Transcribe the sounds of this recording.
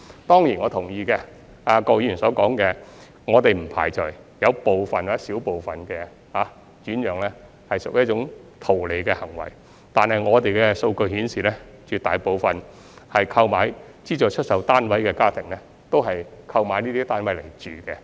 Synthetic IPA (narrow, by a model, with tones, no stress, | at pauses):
t̪ɔː˥ŋjiː˨˩nŋɔː˨˧t̪ʰʊ˨˩ŋjiː˨˧kɛ˧ | aː˧kɔː˧jy˨nsɔː˨˥kɔː˨˥ŋkɛː˧ | ŋɔː˨˧t̪e˨jm̩˨˩pʰa̰ː˨˩jt͡sœː˨˩j | jɐ˨˧wpo˨wfɐ˨˩nwaː˨˥siː˨˥wpo˨wfɐ˨nkɛ˧ | haː˨˥ | t͡ʃyː˨˥njœː˨ŋlɛː˥ | hɐ˨jsʊ˨k̚jɐ˥t̚t͡ʃʊ˨˥ŋt̪ʰo˨˩wle˨˧kɛː˧hɐ˨˩ŋwɐ̰˨˩j | t̪aː˨nhɐ˨jŋɔː˨˧t̪e˨jkɛ˧so˧wkɵ˧ɥhi˨˥nsiː˨lɛː˥ | t͡ʃyː˨t̪aː˨jpo˨wfɐ˨n | hɐ˨jkʰɐ˧wmaː˨˧j | t͡siː˥t͡ʃɔː˨˧t͡ʃʰɵ˥t̚sɐ˨˧wt̪aː˥nwɐ˨˥jkɛː˧kaː˥t̪ʰɪ˨˩ŋlɛː˥ | t̪o˥wɦɐ˨jkʰɐ˧wmaː˨˧˥jniː˥t̪iː˥t̪aː˥nwɐ˨˥jle˨˩jt͡ʃyː˨kɛ˧